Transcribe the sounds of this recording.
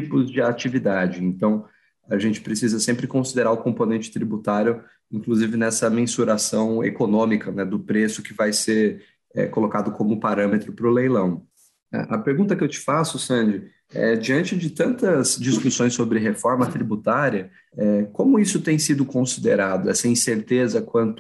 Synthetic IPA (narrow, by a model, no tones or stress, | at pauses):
t͡ʃipʊzd͡ʒɪat͡ʃivid̪ad͡ʒɪẽnt̪ɐ̃w̃ | ɐʒẽnt͡ʃɪ̥pɾesizɐsẽmpɾɪkõsid̪eɾaɾʊkõmponẽnt͡ʃɪ̥t̪ɾibut̪aɾjʊ | ĩŋkluzivɪnɛsɐmẽsuɾasɐ̃w̃ḛkonõmikɐnɛd̪ʊpɾesʊkɪvajseɾ | ɛ̰kolokad̪ʊkõmʊpaɾɐ̃met̪ɾʊpɾʊlejlɐ̃w̃ | a̰ʔɐpeɾɡũnt̪ɐkɪewt͡ʃɪ̥fasʊsɐ̃d͡ʒɪ | ɛ̰d͡ʒiɐ̃nt͡ʃɪd͡ʒɪt̪ɐ̃nt̪ɐzd͡ʒiskusõj̃sobɾɪɦefɔɾmɐt̪ɾibut̪aɾiɐ | ɛkõmʊisʊt̪ẽj̃sid̪ʊkõsid̪eɾad̪ʊɛsɐĩseɾt̪ezɐkwɐ̃nt̪ʊ